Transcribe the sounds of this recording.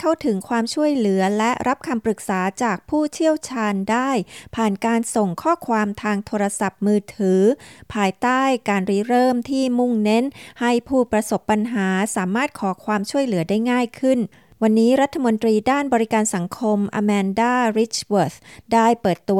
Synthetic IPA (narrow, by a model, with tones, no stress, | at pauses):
k̪ʰa˥˩wt̪ʰɯ˩˦ŋkʰwaː˧mt͡ɕʰu˥˩əjlɯ˩˦ɐlɛ˦˥ɾʔa˦˥p̚kʰa˧mpɾɯ˨˩k̚saː˩˦t͡ɕaː˨˩k̚pʰuː˥˩t͡ɕʰi˥˩əwt͡ɕʰaː˧ndaː˥˩jpʰaː˨˩nkaː˧nso˨˩ŋkʰɔː˥˩kʰwaː˧mt̪ʰaː˧ŋt̪ʰoː˧ɾa˧sa˨˩p̚mɯː˧t̪ʰɯː˩˦pʰaː˧jt̪aː˥˩jkaː˧nɾiː˦˥ɾɤː˥˩mt̪ʰiː˥˩mu˥˩ŋne˦˥nha˥˩jpʰuː˥˩pɾa˧so˨˩pːa˧nɦaː˩˦saː˩˦maː˥˩t̪̚kʰɔː˩˦kʰwaː˧mt͡ɕʰu˥˩əjlɯ˩˦daː˥˩jŋaː˥˩jkʰɯ˥˩n | wa˧nːiː˦˥ɾa˦˥t̪ʰːa˧mo˧nt̪ɾiː˧daː˥˩nbɔː˧ɾi˦˥kaː˧nsa˩˦ŋkʰo˧mʔa̰ː˧mɛː˧ndaː˥˩ɾi˦˥t͡ɕwoː˨˩t̪̚daː˥˩jpɤː˨˩t̪ːu˧